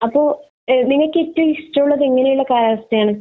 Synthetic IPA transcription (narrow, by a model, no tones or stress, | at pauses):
ɐpːo̞ː | niŋːɐɭkɨetːɐmistɐuɭːɐðeŋːɐnejuɭːɐkaːɾaːɐstːɐjaːɳɨ